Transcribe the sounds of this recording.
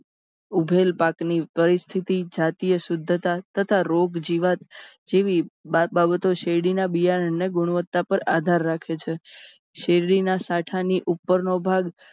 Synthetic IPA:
ubʱelpaknipəɾist̪ʰit̪id͡ʒat̪ijəsʊd̪ʱːt̪at̪ət̪ʰaɾoɡd͡ʒiʋat̪d͡ʒeʋibababət̪oʃeɽinabijaɾəneɡʊɽ̃ʋət̪ːapəɾad̪ʱaɾːakʰet͡ʃʰe | ʃeɾɽinasaʈʰaniʔupːəɾnobʱaɡ

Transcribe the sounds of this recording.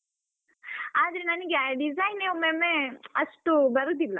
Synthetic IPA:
aːd̪ɐɾenɐnɐɡeaɖizaːjneomemeɐʂʈubɐɾɡ̚t̪iʋlɐ

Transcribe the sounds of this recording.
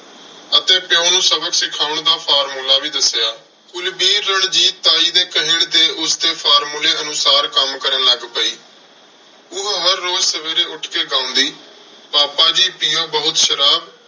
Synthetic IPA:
ət̪ẽːpjõːnũːsəbəksɪkʰaːʊɳd̪aːpʰaːɾmuːlaːʋiːd̪əsjaː | kʊlbiːɾːəɳd͡ʒiːt̪ːaːiːd̪eːkəɦɪɳd̪eːʔʊsd̪eːpʰaːɾmuːleːənʊsaːɾkəmkəɾəːləɡpəiː | ʊɦɦəɾːoːzsəʋeːɾeːʊʈʰkeːɡãːʊ̃nd̪iː | paːpaːd͡ʒiːpiːjoːbəɦʊt̪ʃəɾaːb

